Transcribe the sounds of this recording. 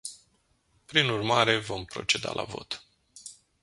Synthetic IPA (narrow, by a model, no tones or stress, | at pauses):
pɾinurmaɾe̞vo̞mpɾo̞̰t͡ʃe̞d̪a̰lʔavo̞̰t̪